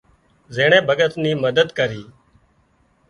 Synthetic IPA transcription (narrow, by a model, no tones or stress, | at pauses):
zeːɳ̃ẽːbʱəɠət̪niːməd̪əd̪kəɾiː